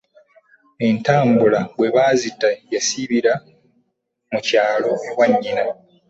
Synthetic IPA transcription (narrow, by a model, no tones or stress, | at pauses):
e̞ntaːmbulaɡwe̞βaːzitːajasiβiɾa | mucaːlo̞ewaɲːina